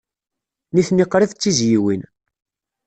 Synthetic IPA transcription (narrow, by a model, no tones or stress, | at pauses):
niθniqːɾiðt͡sːizjiwin